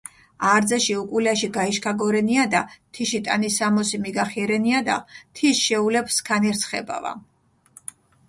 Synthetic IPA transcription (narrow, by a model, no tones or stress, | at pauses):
aːɾd̪zɛʃiukʼulaʃiɡaiʃkʰaɡɔɾɛniad̪at̪ʰiʃit̪ʼanisamɔsimiɡaχiɛɾɛniad̪a̰t̪ʰisʃɛulɛpskʰanɛɾt̪sʰχɛ̰ba̰va̰